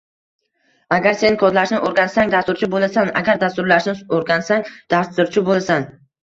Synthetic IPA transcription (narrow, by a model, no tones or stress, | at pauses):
aɡʲaɾse̞nɪkʰɒd̪laʃnɪʔoɾɡʲansaŋd̪ast̪ʊɾt͡ʃʰɪbolˠasana̰ɡʲaɾd̪ast̪ʊɾlaʃnɪoɾɡʲansaŋd̪̥ast̪ʊɾt͡ʃʰɪbolˠasan